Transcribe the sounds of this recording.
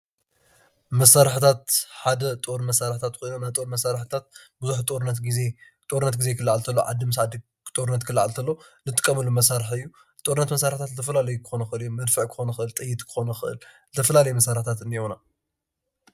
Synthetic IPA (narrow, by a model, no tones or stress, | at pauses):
mɐsaɾħt̪ʰat̪ħad̪ɐt̪ʼoɾmɐsaɾħt̪ʰat̪kʰoinonajt̪ʼoɾmɐsaɾħt̪ʰat̪̚bɨzuħt̪ʼoɾnɐt̪ɡie | t̪ʼoɾnːɐt̪̚ɡizekʰɨlːaʕalt̪ʰɐlːoʕa̰d̪ɨmɨs̬ʕad̪i | t̪ʼoɾɨnːɐt̪kʰɨlːaʕalt̪ʰɐlːo̞nɨt̪ʼɨkʼːɐmɨlːumɐsaɾħɨjːu | t̪ʼoɾɨnːɐt̪mɐsaɾħt̪ʰat̪zɨt̪ʰɐfɐlalɐjukʰɨ̥xo̞nɐxɨɨlɨjːumɐd̪fɨʕkʰɨ̥xo̞nɐxɨʔɨlt̪ʼɨjːɪt̪ʼkʰɨ̥xo̞nɐxɨʔɨ̰lzɨt̪ʰɐfɐlalɐjumɐsaɾħt̪ʰat̪ɨniuna